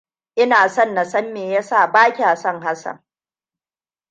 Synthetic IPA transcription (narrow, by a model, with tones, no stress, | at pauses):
ʔɪ˦naː˨sɔ˦˨nːa˨sɐ˦mːeː˨ja˦sa˦˨baː˦kʲi˨a˨sɐ˦˨ŋɦa˦sɐ̰˨ŋ